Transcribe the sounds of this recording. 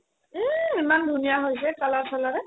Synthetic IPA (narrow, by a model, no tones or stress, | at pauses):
imandʱunijaɦojsɛkalaɹsalaɹɛ